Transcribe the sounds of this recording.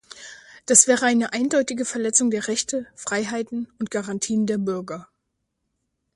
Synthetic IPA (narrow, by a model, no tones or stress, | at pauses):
d̥asv̥ɛːʁəaɪnəʔaɪndɔʏtɪɡəfɛɐlɛt͡sʊŋdeːɐʁɛçtəfʁ̥aɪɦaɪtn̩ʊnt̚ɡ̥aʁantʰiːəndeːɐbʏɐɡɐ